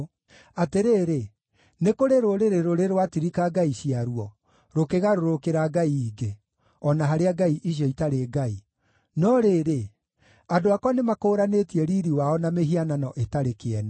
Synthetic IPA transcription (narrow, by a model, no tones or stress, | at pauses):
ateɾeːɾe | nekoɾeɾoɾeɾeɾoɾeɾwatiɾikaɡaiɕiaɾuɔ | ɾokeɣaɾoɾokeɾaɡaiːɡe | ɔnaɦaɾeaɡaiʔiɕ̬jɔitaɾeɡai | nɔɾeɾe | adoakɔnemakoːɾanetiɛɾiɾiwaɔnameɦiananɔʔetaɾekeɛnɛ